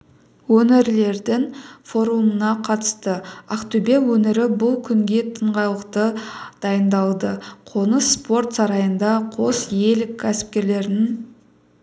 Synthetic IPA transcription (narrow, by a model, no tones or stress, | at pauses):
wɵnɪɾle̞ɾd̪ɪŋfo̞ɾumənɑqʰɑt̪ə̥st̪əaqt̪ubewɵnɪɾɪbʊlˠkʲʰʏŋɡʲe̞t̪ʰəɴʁɑlˠəqt̪əd̪̥ɑjənd̪ɑlˠd̪əqʰo̞nəspo̞rt̪sɑɾɑjənd̪ɑqʰo̞sje̞lɪkʲʰːæsɪ̥p̚kʲe̞ɾle̞ɾɪn